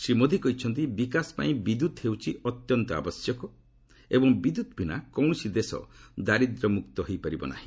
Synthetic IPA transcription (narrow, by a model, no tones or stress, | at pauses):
sɾimod̪ʱikɔɦit͡ʃʰɔnt̪̬ibikasɔ̥pa̰ĩbid̪ut̪hewt͡ʃʰiɔt̪jɔnt̪ɔa̰bɔsjɔkɔ | ebɔŋbid̪ut̪bʱinakɔw̃ɔsid̪esɔ̰d̪aɾid̪ɾɔmukt̪ɔɦojpaɾibɔ̰na̰ɦĩ